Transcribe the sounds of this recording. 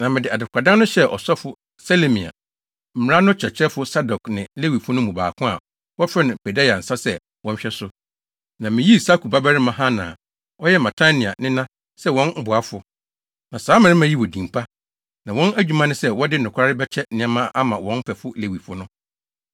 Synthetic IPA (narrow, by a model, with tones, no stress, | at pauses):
nã˨mɪ̃˨dɪ˨a˨dɪ˨kʰa˨dã˦nʊ̃˦ɕɛ˦ʔɔ̰˨sɔ˦fʊ˦ | sa˦le˨mĩ˨a̰˨ | m̩˨˦a˦nʊ̃˦t͡ɕʰᶣɛ˨t͡ɕʰɛ˦fʊ˦sa˦dɔ˨knɪ̃˨le˦wi˨fʊ˦nʊ̃˦mũ˨ba̰ː˨kʰʊ̃˦a̰˨ | wɔ˦fɛ˦nɪ̃˨pʰɛ˨da˦ja˨n̩˨sa˦sɛ˦˨ | wɔ̃˦n̩˦ɕᶣɛ˦sʊ˦ | nã˨mɪ̃˨ji˦sa˦kʰu˨ba˦ba˦ɾɪ˦mã˨ɦã˦nã̰˨ | ɔ˦jɛ˦mã˨tʰa˦nĩ˨a̰˨nɪ̃˦nã˦ | sɛ˦wɔ̃˦nm̩˦bʊ˨a˦fʊ˨ | nã˨saː˦mɪ̃˨˦ɾɪ̃˦mã˦ji˦wɔ˨dĩ˨mpʰa˦ | nã˨wɔ̃˦næ˦d͡ʑᶣu˨mã˦nʊ̃˦sɛ˦wɔ˦dɪ˦n˨ʊ̃˨kʰʷa˦ɾɪ˦bɛ˦t͡ɕʰɛ˦nɪ̃˨˦ã˦mã˦ʔa˦mã˨wɔ̃˦nm˦pʰɛ˨fʊ˦le˨wi˨fʊ˦nʊ̃˦